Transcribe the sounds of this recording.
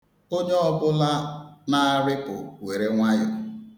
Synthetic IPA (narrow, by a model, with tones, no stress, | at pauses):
o˦ɲe˦ɔ˦bʊ˦la˦na˦˨ɾɪ˦pʊ̰˨we˨ɾe˦ŋʷa˦jʊ˨